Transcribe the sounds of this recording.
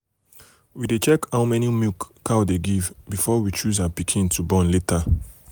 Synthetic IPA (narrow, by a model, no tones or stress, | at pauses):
widet͡ʃɛkhaʊmɛnimikːawdeɡivbifɔwit͡ʃuzawapikʰĩntʰubɔ̃nletʰa